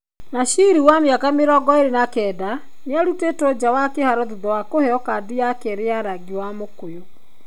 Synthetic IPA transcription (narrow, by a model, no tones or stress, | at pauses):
naʃiɾiwamjakameɾɔːɡɔeɾenakɛda | neaɾutetɔd͡ʑawakehaɾɔðuðɔwakohɛɔkadijakɛɾeaɾaɡiwamokojo